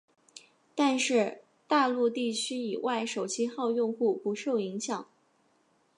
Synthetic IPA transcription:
t̪a˥˧nʂɻ̩˥˧ | t̪a˥˧lu˥˧t̪i˥˩t͡ɕʰy˥i˨˩wʔa˥˩ɪʂo˨˩ʊt͡ɕʰi˥xɑ˥˧ʊjʊ˥˧ŋxu˥˩pu˧˥ʂo˥˩ʊi˧˥ŋɕjɑ˨˩˦ŋ

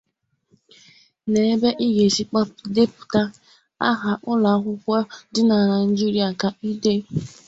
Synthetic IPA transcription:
ne˨e˦be˦ʔi˦ɣe˨si˦k͡pa˦de˦pʊ̥˨ta˦ | a̰˦ɦa˨ʔʊ˦la˨˦kʷʊ˦kʷɔ˦dɪ˦na˨ɾa˨n̩˦d͡ʒi˦ɾi˦a˨ka˨i˦de˦

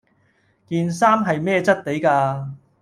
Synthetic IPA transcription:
kiː˨nsaː˥mɦɐ˨jmɛː˥t͡sɐ˥t̚t̪e˨˥jkaː˧

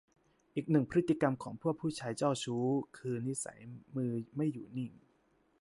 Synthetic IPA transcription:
ʔiː˨˩k̚nɯ˨˩ŋpʰɾi˦˥t̪ːi˧ka˧mkʰɔː˩˦ŋpʰu˥˩ək̚pʰːuː˥˩t͡ɕʰaː˧jt͡ɕɔː˥˩wt͡ɕʰuː˦˥kʰɯː˧ni˦˥sa̰˩˦jmɯː˧ma˥˩jːuː˨˩ni˥˩ŋ

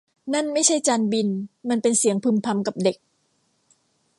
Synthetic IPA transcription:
na˥˩˨nma˥˩jt͡ɕʰa˥˩jt͡ɕaː˧nbi˧nma˧npe˧nsi˨˩˦əŋpʰɯ˧mpʰa˧mka˨˩p̚de˨˩k̚

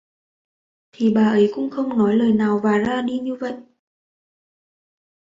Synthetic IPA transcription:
t̪ʰi˨˩ɓaː˨˩ʔə˨˦jkʊ̰˧˥ŋ͡mxə˧wŋ͡mnɔ˨˦jləː˨˩jnaː˨˩wvaː˨˩zaː˧ɗi˧ɲɨ˧və̰˧˨jʔ

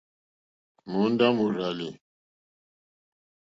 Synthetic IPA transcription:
mu˨˦n˦da˦mu˨ɾa˨li˨

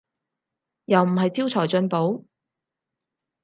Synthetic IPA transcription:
jɐ˨wm̩˨˩ɦɐ˨jt͡siː˥wt͡sʰɔː˨˩jt͡ʃɵ˧npo˨˥w

